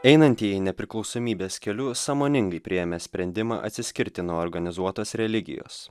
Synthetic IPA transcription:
ɛɪnɐnʲt̪ʲiːjinʲɛpʲɾʲɪklˠɒʊsoːmʲiːbʲeːskʲɛlʲʊsɑːmoːnʲɪŋɡɐɪpʲɾʲɪjɛmʲesʲpʲɾʲɛnʲd̪ʲɪmɑ̰ːʔɐ̰t̪ʲsʲɪsʲkʲɪɾʲt̪ʲɪnuoːɾɡɐnʲɪzuɔt̪oːsɾʲɛlʲɪɡʲɪ̰jo̰ːs

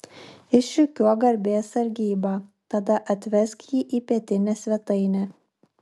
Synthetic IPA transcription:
ɪʃʃʲʊkʲuɔɡɐɾʲbʲeːsɐɾʲɡʲiːbɑːt̪ɐd̪ɐʔɐt̪ʲʋʲɛskjiːʔiːpʲiɛt̪ʲɪnʲɛsʲʋʲɛt̪ɐɪnʲɛː

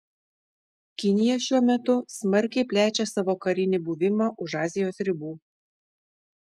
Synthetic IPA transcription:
kʲɪnʲɪjɛʃʲuɔmʲɛt̪ʊsmɐɾʲkʲɛɪpʲlʲæːt͡ʃʲɛsɑʋoːkɐɾʲɪnʲɪbuʋʲɪmɑːʔʊʃɑːzʲɪjoːsɾʲɪbuː

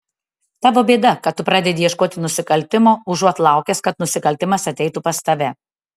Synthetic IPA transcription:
t̪ɑːʋoːbʲeːd̪ɐkɐt̪ːʊpɾɑːd̪ʲɛd̪ʲɪːjɛʃkoːt̪ʲɪnʊsʲɪkɐlʲt̪ʲɪmoːʊʒuɔt̪lˠɑˑʊkʲɛskɐt̪nʊsʲɪkɐlʲt̪ʲɪmɐsɐt̪ʲɛɪt̪upɐst̪ɐʋʲɛ

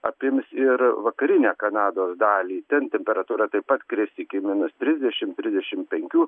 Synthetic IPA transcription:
ɐ̰pʲɪmʲsɪɾʋɐkɐɾʲɪnʲæːkɐnɑːd̪oːsd̪ɑːlʲiːt̪ʲɛnt̪ʲɛmʲpʲɛɾɐt̪uːɾɑt̪ɐɪppɐt̪kɾʲɪstʲiːkʲɪmʲɪnʊst̪ʲɾʲɪzʲd̪ʲɛʃʲɪmt̪ʲɾʲɪzdʲɛʃʲɪmpʲɛŋʲkʲuː

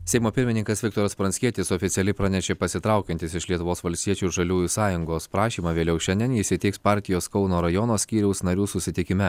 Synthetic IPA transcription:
sʲɛɪmoːpʲɪɾʲmʲɪnʲɪŋkɐsʋʲɪkt̪oːɾɐspɾɐnsʲkʲiɛt̪ʲɪsɔːfʲɪt̪ʲɛlʲɪpɾɑnʲɛʃʲeːpɐsʲɪt̪ɾɑˑʊkʲɛnʲt̪ʲɪsɪʃlʲiɛt̪ʊʋoːsʋɐlʲsʲt̪ʲiɛt͡ʃʲuːɪɾʒɐlʲuːjuːsɑːjʊŋɡoːspɾɑːʃʲiːmɑʋʲeːlʲɛʊʃʲɛnʲd̪ʲiɛnɪʃʲsʲɪt̪ʲɪkspɑːɾʲt̪ʲɪjoːskɒʊnoːɾɐjɔnoːsʲkʲiːɾʲɛʊsnɐɾʲuːsʊsʲɪt̪ʲɪkʲɪmʲɛ

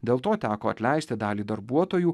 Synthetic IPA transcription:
d̪ʲeːlˠt̪oːt̪ʲæːkoːɐt̪ʲlʲɛɪsʲt̪ʲɪd̪ɑːlʲiːd̪ɐɾbuɔt̪oːjuː

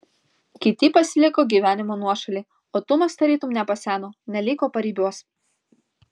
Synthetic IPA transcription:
kʲɪt̪ʲɪpɐsʲɪlʲɪkoːɡʲiːʋʲæːnʲɪmonuɔʃɐlʲiː | oːt̪ʊmɐst̪ɐɾʲiːt̪ʊmnʲɛpɐsʲæːnoːnʲɛlʲɪːkoːpɐɾʲiːbʲuɔs

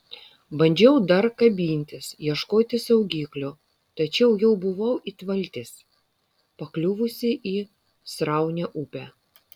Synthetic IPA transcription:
bɐnʲd͡ʒʲɛʊd̪ɐɾkɐbʲiːnʲt̪ʲɪsjiɛʃkoːt̪ʲɪsɐʊɡʲiːklʲʊ | t̪ɐt͡ʃʲɛʊjɛʊbʊʋɐʊʔit̪ʋɐlʲt̪ʲɪs | pɐklʲʊʋʊsʲɪʔiː | sɾɑˑʊnʲɛʔʊpʲæː

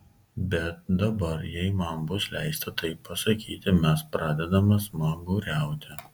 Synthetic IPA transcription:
bʲɛt̪̚d̪ɐbɐɾjɛɪmɐnbʊslʲæɪst̪ɐt̪ɐɪpːɐsɐkʲiːt̪ʲɪmʲɛspɾɑːd̪ʲɛd̪ɐmɐsmɐɡʊːɾʲæˑʊt̪ʲɪ

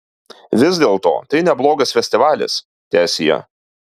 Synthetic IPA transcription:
ʋʲɪzd̪ʲeːlˠt̪o̰ːt̪ɐɪnʲɛblˠoːɡɐsfʲɛsʲt̪ʲɪʋɑːlʲɪ̰s | t̪ʲæːsʲɪjɛ̰

